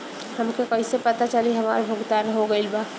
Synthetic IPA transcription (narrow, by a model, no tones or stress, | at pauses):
hɐmkekɐisepɐt̪at͡ʃɐliɦɐma̰ːɾbʱʊɡt̪aːnɦoɡɐilbaː